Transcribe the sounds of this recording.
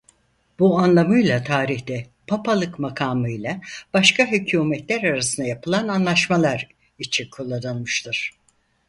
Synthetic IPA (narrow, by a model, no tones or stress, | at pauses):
b̥uanlˠamɯjlˠat̪ʰaːɾiçt̪ɛ | pʰapʰalˠɯkmakʰaːmɯjlˠab̥aʃkʰaɦycʰuːmɛt̪lʲæɾaɾasɯnd̪ajapʰɯlˠananlˠaʃmalˠaɾ | it͡ʃʰinkʰulˠːad̪ɯnˠmɯʃt̪ʰɯɾ̥